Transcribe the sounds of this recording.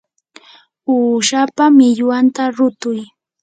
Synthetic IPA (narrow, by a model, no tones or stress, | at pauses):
uːʃapamɪʎwant̪aɾʊt̪ʊj